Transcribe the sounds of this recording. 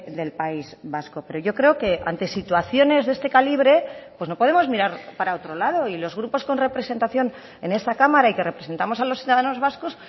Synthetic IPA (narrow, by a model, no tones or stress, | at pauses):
ðe̞lpaizβasko̞pe̞ɾo̞ʝo̞kɾe̞oke̞ʔa̰nt̪e̞sit̪waθjo̞ne̞zðe̞st̪e̞kaliβ̞ɾe̞pwe̞sno̞po̞ðemozmiɾaɾpaɾao̞t̪ɾo̞lað̞o̞ilo̞zɣ̞ɾupo̞sko̞nre̞pɾe̞se̞nt̪aθjo̞n | e̞ne̞st̪akamaɾaike̞re̞pɾe̞se̞nt̪amo̞salo̞sθiuðaðano̞zβ̞asko̞s